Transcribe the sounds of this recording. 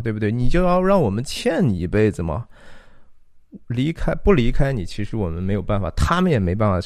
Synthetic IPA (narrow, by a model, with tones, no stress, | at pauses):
t̪we˥˩bu˩t̪wɪni˨˩t͡ɕjo˥˧ʊjɑ˥˧ʊɻɑ˥˩ŋwɔ˨˩mə˦nt͡ɕʰjɛ˥˩nni˨˩i˧˥pe˥˩ɪd͡zɹ̩˨˩mɐ̰˩ | li˧˥kʰa˥ɪpu˥˩li˧˥kʰa˥ɪni˨˩t͡ɕʰi˧˥ʂɻ̩˧˥wɔ˨˩mə˦nme˧˥ɪjo˨˩ʊpa˥˩nfa̰˨˩t̪ʰa˥mə˨njɛ˨˩me˧˥ɪpa˥˩nfa˨˩